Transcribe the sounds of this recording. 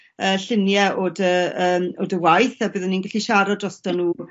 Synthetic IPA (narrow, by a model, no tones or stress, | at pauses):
əːɬɪnjɛʔoːdəəːmoːdəwajθabəːðɛninɡaɬiʃaɾɔdrɔstɔnuː